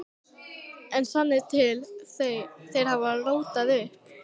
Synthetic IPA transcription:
ɛnsvanːɪt̪ʰɪl | θejɾ̥havaroːwt̪aðʏ

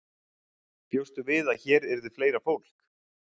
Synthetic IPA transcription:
pjowst̪ʏvɪðaðçɛːɾɛɾðɪfleːjɾafowl̥k

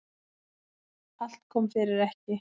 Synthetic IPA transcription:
al̥t̪̚kʰɔːmfɪɾɪɾɛhcɪ

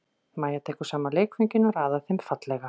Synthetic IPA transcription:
maːjat̪ʰɛːkʏ̥saːmaleːjkfeɲcɪnɔɾaːðaθejmfat̪lɛɣa

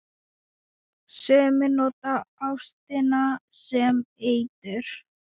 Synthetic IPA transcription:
sœːmɪnɔːt̪aawst̪ɪnasɛmeːjt̪ʏɾ̥

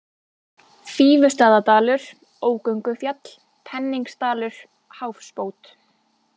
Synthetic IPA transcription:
fiːvʏst̪aːðat̪aːlʏɾ̥ | oːwkœɥŋkʏfjat̪l̥ | pʰɛnːiŋkst̪aːlʏɾ̥ | hawfspoːwt̪

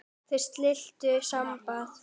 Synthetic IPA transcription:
θejɾ̥st̪lɪl̥t̪ʏsampaθ

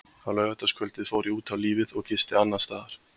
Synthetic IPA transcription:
awlœːɣat̪askʰœlt̪ɪðfoːwɾiuːt̪ʰawliːvɪðɔɣcɪst̪ɪanːast̪aːðaɾ̥

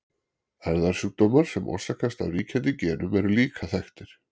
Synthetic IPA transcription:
ɛɾðaɾ̥suːk̚t̪ɔːmaɾ̥sɛmɔ̰̥sakast̪a̰ðriːcʰɛnt̪ɪcɛːnʏmɛɾʏliːkʰaθajxt̪ɪɾ̥

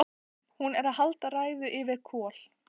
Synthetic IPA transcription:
hunɛɾaðɦalt̪araːjðʏʔɪvɪɾkʰɔːl̥

